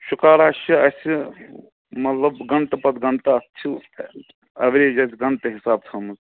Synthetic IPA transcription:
ʃukaːɾaːʃiɐsʲi | mɐt̪lɐbɡɐnt̪ɐpɐt̪ɡɐnt̪aɐt͡ʃʰi | ɐʋɾed͡ʒɐt̪ʰɡɐnt̪eɦisaːb̚t̪ʰɐmz

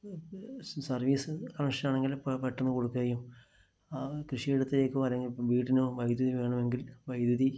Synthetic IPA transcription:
sɐrʋiːsɨkɐmʂɐnaːɳe̞ŋɡilpeʈːɐnːɨko̞ɽukːuɣɐɐjum | akrɨʂiiɽɐt̪ːɐlekːɨɐlːeŋɡilʋiːʈːinoːʋɐjd̪jɐðiʋe̞ːɳɐme̞ŋɡilʋɐjd̪jɐði

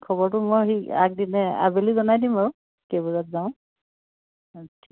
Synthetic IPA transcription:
kʰɔbɔɹtʊmɔjxia̰k̚dinɛa̰belizɔnajdĩmaɹu | kebɔzatzaʊ̃ | tʰi

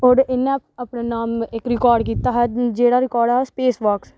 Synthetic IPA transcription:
ɔːɾɪnːẽapnenaːmɪkɾɪkɔːɾɖk̬iːt̪aːɦad͡ʒeːɽaːɾɪkɔːɾɖaːɦspeːsʋaːks

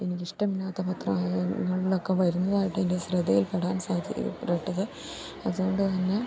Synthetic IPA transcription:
enikʲːiʂʈɐminːaːt̪ːɐpɐt̪rɐmːŋːɐɭilo̞kːe̞ʋɐɾunːɐðaːjiʈːɨendeɕrɐd̪ɐjilpeɽaːnsaːd̪ʱj̰reʈːɐðɐ | ɐðuɣo̞ɳɖɨt̪ɐnːe̞

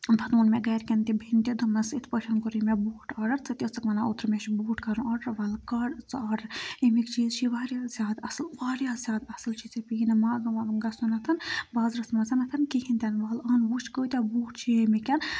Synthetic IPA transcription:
bʱɐt̪uːnmeɡɐːɾkʲɐnt̪ibʱint̪ʲid̪umɐsit̪ʰpəʃʰɐnkuɾimebuːʈɐːɖɐɾt͡sʰɐt̪ʲjot͡sɐkmɐnaot̪ɾɨmeʃbuːʈkɐɾũnɐɽɐɾʋɐlkɐɽt͡sɐːɾɾimikt͡ʃiːzt͡ʃʰiʋaːɾʲjaːzʲjaːd̪ɐslʋaːɾʲjaːzʲjaːd̪ɐsɨlt͡ʃʰit͡sipiːnɐmaːɡɐmɐbɨnɡɐsunɐt̪ʰɐnbɐːzɾɐsmɐzɐnɐt̪ʰɐnkiɦint̪ʲɐnʋɐːlɐːnʋut͡ʃkəːt̪ʲabuːʈt͡ʃʰimikʲɐn

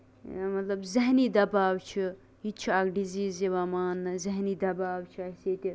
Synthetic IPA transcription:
mɐt̪lɐbzɐɦniːd̪ɐbaːwt͡ʃʰi | ɦit͡ʃʰiaɡɖiziːziʋɐmaːnːɨzɐɦniːd̪ɐbaːwt͡ʃʰiɐseːt̪ʲi

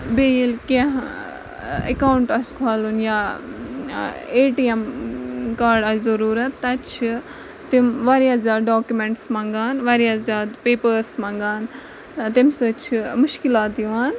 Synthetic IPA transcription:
beilkẽɦ | ɐ̰kaːwuɳʈɐskʰaːlunjaː | eːʈiem | kaːɾɖazɐɾuːɾɐt̪ːɐt͡ʃʰ | t̪imʋaɾjaːzʲjaːd̪ɖoːkjumeɳʈsmɐ̃ŋɡaːnʋaɾjaːzjaːd̪peːpəɾsmɐ̃ŋɡaːn | t̪imsɨt͡ʃʰmʊʃkilaːt̪iʋaːn

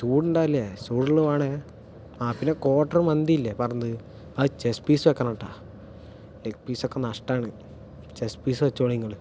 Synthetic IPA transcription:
suːɽuɳɖaːilːesuːɽiɭumaːɳe | aːpinːeko̞ːʈːɐrmɐnd̪iilːepɐrɐɲːɐðɨ | ɐðɨt͡ɕespiːsɨʋekːɐnɐʈːaː | lekpiːsokːenɐʂʈaːɳɨ | t͡ɕespiːsɨʋɐt͡ɕːoːɭiŋɡɐɭɨ

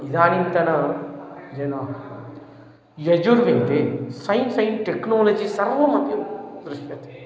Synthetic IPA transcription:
id̪aːnint̪ɐnɐ | d͡ʒɐnaː | jɐd͡ʒuɾʋent̪esɐjnsɐjnʈeknoːlɐd͡ʒisɐɾʋɐmɐd̪jud̪ɾuʃjɐt̪e̥

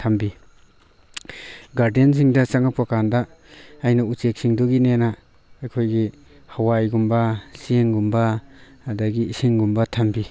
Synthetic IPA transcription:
tʰambi | ɡaɾdens̬iŋdɐt͡ʃaŋapakandɐː | jnɐut͡ʃek̚siŋdoɡinenaː | jkʰojɡi | hawajɡumbɐsieŋɡumbɐadɐɡiisiŋɡumbɐtʰambi

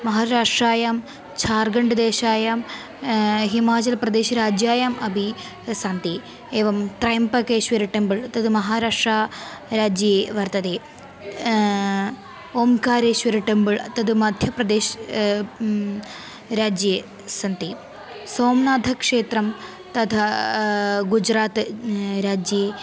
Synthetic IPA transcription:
mɐɦaːɾaːʂʈraːjaːm | t͡ɕʰaːrɡɐɳɖɨd̪eːʃaːjaːm | ɦimaːt͡ɕɐlprɐd̪eːʃɐɾaːd͡ʑjaːjaːmɐbʱi | sɐnt̪i | eːʋɐmt̪rɐjɐmpɐkeːɕʋɐɾiʈːɐmbɨɭɐt̪ːɐðɨmɐɦaːɾaːʂʈraːɾaːd͡ʑjɐjeʋɐrt̪ɐd̪eː | oːmkaːɾeʃʋɐɾiʈːɐmbɨɭt̪ɐd̪ɨmɐd̪ʱjɐprɐd̪eːʃ | ɾaːd͡ʑje | sɐnt̪i | soːmnaːd̪ʱɐkʂeːt̪ɾɐm | t̪ɐt̪ʰɐ | ɡud͡ʒɾaːt̪ɾaːd͡ʒje

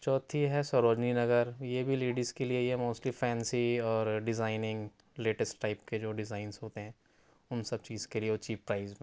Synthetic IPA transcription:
t͡ʃɔːt̪ʰiɦɛsɔɾoːd͡ʒninɐɡəɾjebʱiliːɖəzkelieɦɛmoːsʈlifɛːnsiɔːɾɖɪzaːɪnɪ̃ŋɡ | leːʈəsʈʈːaɪpked͡ʒoːɖɪzaːɪnzɦoːt̪eɦɛ̃ː | ʊnsɐb̚t͡ʃiːzkelieʊt͡ʃiːppɾaːɪzmẽː

